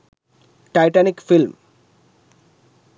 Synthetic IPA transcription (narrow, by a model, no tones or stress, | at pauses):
ʈajʈanikfilm